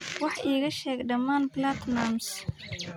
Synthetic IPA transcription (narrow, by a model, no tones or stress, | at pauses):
wɑħʔiːɣɐʃɛːɡɖɐmaːnblat̪nams